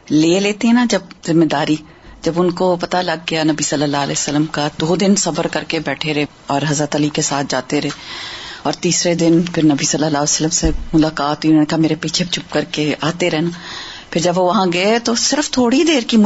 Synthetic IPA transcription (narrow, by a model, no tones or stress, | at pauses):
leːleːt̪eɦɛ̃nad͡ʒɐb̚zɪmːed̪aːɾi | d͡ʒɐbʊnkopɐt̪alɐɡ̚ːejanɐbisɐlːəlːaːlɛːsəlːəmkad̪oːd̪ɪnsɐbəɾkɐɾkebɛːʈʰeɾɛɦe | ɔːɾɦɐzɾət̪əlikesaːt̪̚ʰd͡ʒaːt̪eɾɛɦẽːɔːɾt̪iːsɾed̪ɪnpʰɪɾnɐbisɐlːəlːaːesəlːəmsemʊlaːkaːt̪iʊnoːnekameːɾepiːt͡ʃʰebt͡ʃʰʊp̚kɐɾkeaːt̪eɾɛɦenapʰɪɾd͡ʒɐbʋoʋɐɦãɡɐet̪osɪɾəft̪ʰoːɽid̪eːɾki